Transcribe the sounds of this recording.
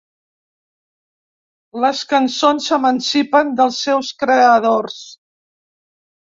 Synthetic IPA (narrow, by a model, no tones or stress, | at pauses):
ləskənsonsəmənsipənd̪əlˠsːɛwskɾeəðors